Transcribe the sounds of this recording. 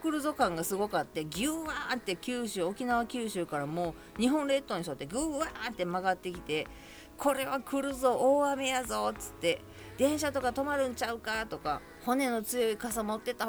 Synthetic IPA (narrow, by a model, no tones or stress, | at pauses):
kɯ̟ɾɯ̟zo̞kãŋɡasɨɡo̞kat̪ːe̞ɡʲɨːat̪ːe̞kʲɨːɕɨːo̞kʲinaβ̞akʲɨːɕɨːkaɾamo̞ː | ɲ̟iɦõ̞nɾe̞t̪ːo̞ɲ̟iso̞t̪ːe̞ɡʲɯːant̪ːe̞maɡat̪ːe̞kʲi̥t̪e̞ | kʰo̞ɾe̞βakɯ̟ɾɯ̟zo̞ʔːame̞jazo̞t͡sɨ̥t̪ːe̞ | d̪̥ẽ̞ɰ̃ɕat̪o̞kat̪o̞maɾɯ̟̃ɲ̟t͡ɕaɯ̟kat̪o̞ka | ho̞ne̞no̞t͡sɨjo̞ikasamo̞t̪ːe̞t̪a